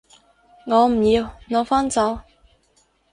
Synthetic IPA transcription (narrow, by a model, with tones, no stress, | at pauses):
ŋɔː˨˧m̩˨˩jiː˨˧wŋɔː˨˧wfaː˥nt͡sɐ˨˧˥w